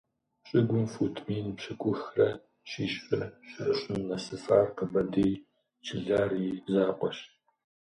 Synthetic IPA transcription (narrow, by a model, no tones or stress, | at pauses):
ɕʼɪɡʷʊmfuːtʰmiːnpɕɐkʷʼʊxrɐ | ɕiːɕfɐɕɪɕʼnːɐsɨfaːrqəbɐdeːj | t͡ʃʰɪɮaːriːzaːqʷɔɕ